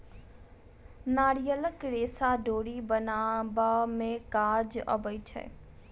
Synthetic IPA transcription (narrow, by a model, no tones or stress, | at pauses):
naːɽijələkɾeːsaɖʱoːɽibɐnaːbamẽkaːd͡ʒɐ̰bəit͡ʃʰɐ̰